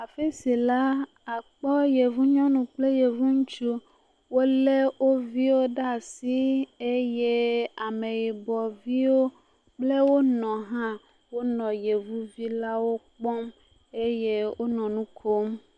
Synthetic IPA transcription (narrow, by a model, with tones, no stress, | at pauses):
a˨fe˦si˨la˦ | a˨k͡pɔ˦je˨vu˦ɲɔ̃˦nũ˨k͡ple˦je˨vu˦ŋũ˦t͡ʃu˦ | wo˦le˦wo˦vi˦wo˦ɖa˦˨si˦e˦je˦a˨me˨ji˨bɔ˨vi˦wo˦ | k͡ple˦wo˦nɔ̃˨ɦã˦ | wo˦nɔ̃˨je˨vu˦vi˦la˦wo˦k͡pɔ˦m | e˦je˦wʔo˦nɔ̃˨nũ˦kʰo˦m